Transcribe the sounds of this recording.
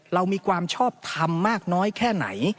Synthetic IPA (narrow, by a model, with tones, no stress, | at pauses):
ɾa˧wmiː˧kʰwaː˧mt͡ɕʰɔː˥˩p̚t̪ʰa˧mːaː˥˩k̚nɔː˦˥jkʰɛː˥˩na̰˩˦j